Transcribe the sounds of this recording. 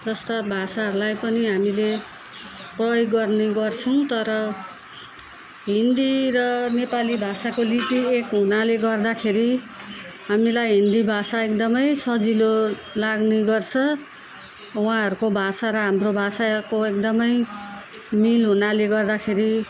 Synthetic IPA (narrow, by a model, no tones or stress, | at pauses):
d͡zʌst̪ʌbʱasaɦʌɾulajpʌniɦamile | prʌjoɡːʌrneɡʌrt͡sʰʌw̃t̪ʌɾʌ | ɦind̪iɾʌnepalibʱasakolipiekɦunaleɡʌrd̪akʰeɾi | ɦamilajɦind̪ibʱasaekd̪ʌmʌjsʌd͡zilo | laɡniɡʌrt͡sʰʌ | wãɦʌɾukobʱasaɾʌɦamrobʱasakoek̚d̪ʌmʌj | milɦunaleɡʌrd̪akʰeɾi